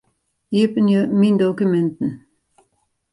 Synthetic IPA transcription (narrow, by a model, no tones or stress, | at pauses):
ipənjəmind̪okymɛnt̪ən̩